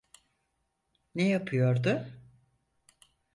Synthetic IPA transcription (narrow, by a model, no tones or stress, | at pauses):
nejapʰɯjo̞ɾd̪ʊ